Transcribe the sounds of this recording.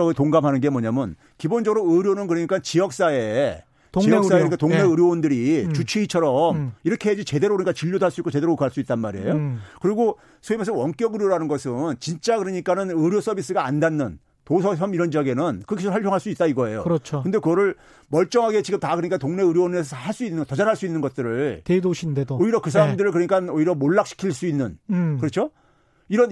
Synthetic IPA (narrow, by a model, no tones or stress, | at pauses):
ʌɡɯɭtoŋɡamɦanɯnɡe̞mwʌɲamjʌn | kibond͡ʑʌɡɯɾoɯɾjonɯnkɯɾʌɲik͈at͡ɕijʌk̚s͈ae̞ | tt͡ɕijʌksaeɯnikatoŋne̞ɯɾjoondɯɾit͡ɕut͡ɕʰiit͡ɕʰʌɾʌmiɾʌkʰeɦed͡ʑit͡ɕe̞de̞ɾokɯɾɯɲik͈at͡ɕiʎːodoaɭs͈uik͈ot͡ɕe̞deɾokaɭs͈uit̚t͈anmaɾiḛjokɯɾiɡo | sʰoimes̬ʰʌwʌnk͈jʌɡɯɾjoɾanɯnɡʌsʰɯnt͡ɕint͡ɕ͈akɯɾɯɲik͈anɯnɯɾjos͈ʌbis͈ɯɡaːndanːɯn | tosʰʌsʰʌmiɾʌnd͡ʑiaɡe̞nɯnkɯkʰisɾɭhʌɭpʰjoŋɦaɭs͈uit͈̚aiɡʌe̞jo̰kɯɾʌt͡ɕʰokɯnde̞kɯɡʌɾɯɭ | mʌɭt͡ɕ͈ʌŋɦaɡe̞t͡ɕiɡɯmtakɯɾʌɲik͈atoŋne̞ɯɾjonesʰʌhaɭs͈uinːɯntʌd͡ʑaɾɦaɭs͈uinːɯnɡʌt̚t͈ɯɾɯɭtedoɕʰindeooiɾʌkɯs̬ʰaɾamdɯɾɯɭkɯɾʌɲik͈anoiɾjʌmoɭːak̚ɕ͈ʰi̥kʰiɭs͈uinːɯnkɯɾʌt͡ɕʰo | iɾʌn